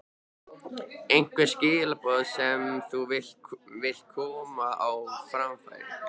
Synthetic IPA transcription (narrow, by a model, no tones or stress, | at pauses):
ejŋ̥kvɪscɪːlapɔðsɛmθuvɪl̥vɪl̥t̪̚kʰɔːmaawfɾamfa̰jɾ